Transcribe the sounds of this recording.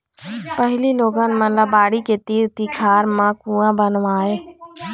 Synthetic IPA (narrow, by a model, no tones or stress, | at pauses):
pəɦliːloːɡãːnmãnlabaːɽiːkeːt̪iːɾt̪iːkʰaːɾmãːkuːãːbənʋaːeː